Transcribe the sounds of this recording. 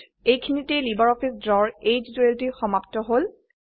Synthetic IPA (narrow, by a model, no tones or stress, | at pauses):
ejkʰinitejlibaɹɔpʰisdɹɔɹed͡ʒdueltixɔmaptɔɦol